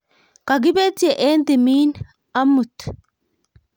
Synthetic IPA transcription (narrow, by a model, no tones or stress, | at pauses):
kɐɡɪbeːt͡sːɪɛʔeːnt̪ɪmiːn | ɐmːʊt̪ː